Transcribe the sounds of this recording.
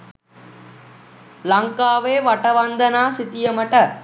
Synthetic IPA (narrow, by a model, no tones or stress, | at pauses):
lɐŋkaːʋeːʋɐʈɐʋɐnd̪ɐnaːsit̪ijɐmɐʈɐ